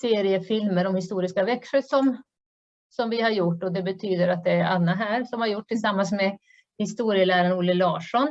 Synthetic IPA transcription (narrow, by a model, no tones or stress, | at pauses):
seːɾɪəfɪlməɾɔmhɪst̪uːɾɪskavɛkʂəsɔm | sɔmvɪhaɾjʊʈːɔd̪ɛbɛt̪ʰyːd̪əɾat̪̚d̪ɛæɾanːaɦæːɾʂɔmhaɾjʊʈːʰɪsamːans̬mɛ | hɪst̪uːɾɪəlæːɾaɳnuːlɪlɑːʂɔn